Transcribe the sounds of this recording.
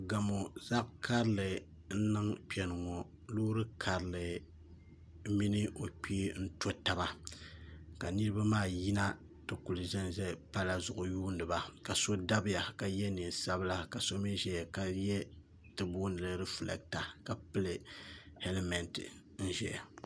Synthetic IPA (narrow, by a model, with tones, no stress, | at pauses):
ɡa˨mo˨za˦ʔkʰa˦ɾɨ˦lɨ˨ | n̩˦nɨ˦ŋk͡pɛ˨nɨ˨ŋɔ˨ | luː˦ɾɨ˦kʰa˨ɾɨ˨lɨ˨ | mi˦nɨ˦ʔo˨k͡piː˦n̩˦to˦ta˨ba˨ | ka˨nɨ˦ɾɨ˦ba˦maː˦˨ji˦na˦ | tɨ˨ku˨lɨ˨ʒɛ˦n˨ʒɛ˦pa˦la˨zʊ˨ʔʊ˨juː˦ndɨ˨ba˨ka˨so˦da˦bɪ˦ja˨ka˨jɛ˦ni˨n˨sa˦bɨ˦la˦ka˨so˦mi˦ʒɛ˨jka˦jɛ˦ | tɨ˨bu˦nɨ˨lɨ˦ɾɛ˦fɨ˨lɛ̰˨k̚ta˨ka˨pɨ˦lɨ˨ | hɛ˦lɛ˦mɛ˨ntɨ̰˨ | n̩˦ʒɛ̰˨ja˨